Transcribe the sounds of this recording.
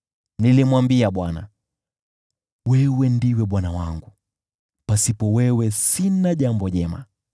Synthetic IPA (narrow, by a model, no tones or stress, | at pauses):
nilimwambiaɓwana̰ | wɛwɛndiwɛɓwanawaŋɡu | pasipɔwɛwɛsinaʄambɔʄɛma̰